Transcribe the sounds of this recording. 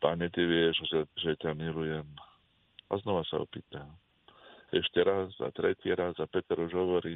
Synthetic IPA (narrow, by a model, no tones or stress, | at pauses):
paɲɛt̪iʋɪɛʒɛʒɛcamilujɛm | aznɔʋasa̰ɔ̰piːt̪am | ɛʃcɛɾazːa̰t̪ɾɛciɾazapɛt̪ɛɾuʒɦɔʋɔɾiː